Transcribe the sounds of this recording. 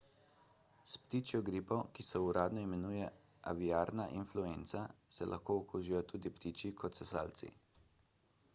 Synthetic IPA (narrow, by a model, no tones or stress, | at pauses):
spt̪it͡ʃjɔɡɾipɔkisɛuɾaːd̪nɔimɛnuːjɛ | a̰ʋiaːɾnaʔinfluent̪sasɛlʔa̰xkoːukuːʒijɔt̪uːd̪ipt̪it͡ʃikʰɔt̪sɛsa̰ːlt̪sḭ